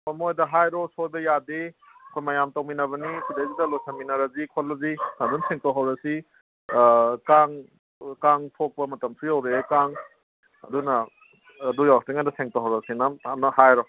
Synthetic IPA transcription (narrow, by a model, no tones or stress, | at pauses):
ɐmojdɐɦajɾɔsojbɐjadeɐkʰojmajamtawminɐβɐnikʰidajzidɐlojsʰɐminɐɾɐzikʰolːɐzinadunsʰeŋtawɦawɾɐsi | kaŋ | kaŋtʰok̚pɐmɐtɐmpʰɾijɐwɾekaŋ | ɐ̰dunɐː | dujawstiŋadɐseŋtawɦawɾɐsinɐmnɐhajɾɔ